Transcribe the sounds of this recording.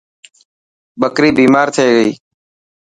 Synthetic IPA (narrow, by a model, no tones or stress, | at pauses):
ɓəkɾiːbiːmaːɾt̪ʰeːɠəḭː